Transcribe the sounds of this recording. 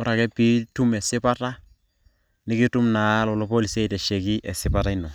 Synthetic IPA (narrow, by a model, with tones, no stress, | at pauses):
ɔ˦ɾa˨kɛ˦pi˦tu˦mɛ˨sɪ˦pa˦ta˦ | nɪ˦kɪ˦tu˦mna˨˦lɔ˨lɔ˦po˦li˨sɛ˦˨tɛ˨ʃɛ˨kɪ˦ʔɛ˨sɪ˦pa˦ta˦ɪnɔ˨